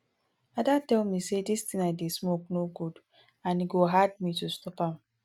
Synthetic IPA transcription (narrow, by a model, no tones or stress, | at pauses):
adatɛlmisedistĩŋaɪdesmok̚noɡud | ãniɡoɦad̚mitustɔpam